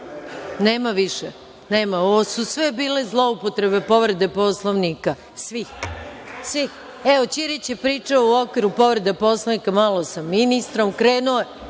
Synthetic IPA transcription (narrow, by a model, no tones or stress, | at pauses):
neːmaʋiʃḛ | neːmaoʋosusʋe̞biːle̞zlˠoupot̪ɾebe̞po̞ʋɾed̪eposlˠoʋnika | sʋi | sʋix | eot͡ɕiɾit͡ɕjepɾiːt͡ʂaouo̞kʋiɾupo̞ʋɾed̪epo̞slˠoʋnikamalosamːinist̪ɾomkɾeːnuoj